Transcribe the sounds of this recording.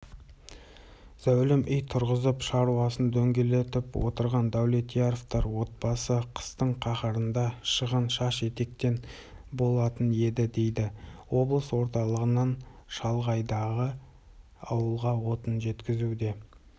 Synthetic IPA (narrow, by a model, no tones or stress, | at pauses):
z̥æwlɪmʔʏjt̪ʰʊɾʁəzəpʃɑɾuwɑsənd̪ɵŋɡʲe̞le̞t̪ɪpwo̞̰t̪əɾʁɑnd̪æwle̞t̪ijaɾoft̪ɑɾwo̞t̪̚bɑsəqʰə̥st̪əɴqʰɑχəɾənd̪ɑʃəʁənʃɑʃe̞t̪e̞k̚t̪e̞n | bo̞lˠɑt̪əne̞d̪ɪd̪e̞jd̪ɪwo̞blˠəswo̞ɾt̪ɑlˠəʁənɑnʃɑlˠʁɑjd̪ɑʁə | ɑ̰wəlˠʁɑwo̞t̪ənʒe̞t̪kʲɪzud̪e̞